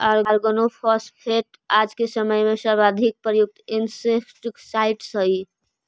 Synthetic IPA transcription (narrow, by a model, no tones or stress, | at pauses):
aɾɾɡonopʰɔspʰeʈ | ad͡ʒkesəməjmesəɾbad̪ʱik̚pɾəjuk̚t̪insekʈksaɪʈsəi